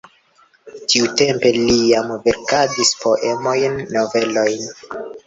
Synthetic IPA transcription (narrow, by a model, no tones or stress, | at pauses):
tiute̞mpe̞lijamve̞ɾkadispʰo̞ʔe̞mo̞jnːo̞ve̞lo̞jn